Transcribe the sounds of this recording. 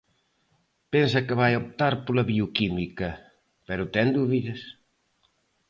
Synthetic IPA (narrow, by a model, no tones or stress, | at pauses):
pɛns̬ɐkeβajop̚t̪aɾpolɐβiukimikɐ | pɛɾʊt̪ɛŋd̪uβiðɐs